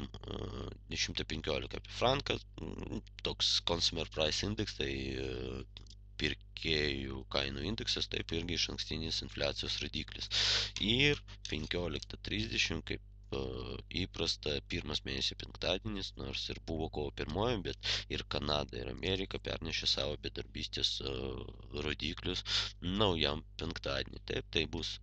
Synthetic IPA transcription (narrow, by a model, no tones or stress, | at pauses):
m | d̪ʲɛʃʲɪmt̪ɐpʲɛŋʲkʲoːlʲɪkɐːpʲifɾɑŋkɐ | t̪oːkskonsʲʊmʲɛrpɾɐɪsɪnʲd̪ʲɛkst̪ɐɪ | pʲɪɾʲkʲʰeːjukɐɪnuːɪnʲd̪ʲɛksɐst̪ɐ̰ɪpɪɾʲɡʲɪɪʃɐŋksʲt̪ʲɪnʲɪsɪnfʲlʲæːt̪sʲɪjoːsɾoːd̪ʲiːklʲɪ̰sɪrpʲɛŋʲkʲoːlʲɪkt̪ɐt̪ʲɾʲiːzʲd̪ʲɛʃʲɪmkɐɪp | iːpɾɐst̪ɐpʲiːɾmɐsmʲeːnʲɛsʲɪpʲɛŋkt̪ɑːd̪ʲeːnʲɪsnoːɾsɪɾbuʋoːkoːʋopʲɪɾmoːjɛmbʲɛt̪ɪɾkɐnɑːd̪ɐ̰ɪ̰ɾɐ̰mʲʔeːɾʲɪkɐpʲɛ̰ɾʲnʲɛʃʲesɑ̰ːʋoːbʲɛd̪ɐɾʲbʲiːsʲt̪ʲes | ɾoːd̪ʲiːklʲʊsnɐʊjɛmpʲɛŋkt̪ɑːd̪ʲḛnʲɪ̰t̪ɐ̰ɪp̚t̪ɐɪbus